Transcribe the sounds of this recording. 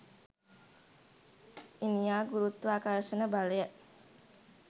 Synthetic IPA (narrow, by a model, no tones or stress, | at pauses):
ʔiniaɡuɾut̪ːuakaɾəsənəbaleəʔ